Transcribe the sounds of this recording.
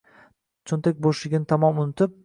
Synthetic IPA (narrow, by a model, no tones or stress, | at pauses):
t͡ʃʰont̪ʰek̚ʲboʃlɪɡʲɪnɪt̪ʰamɒmʊnɪt̪ʰɪp̚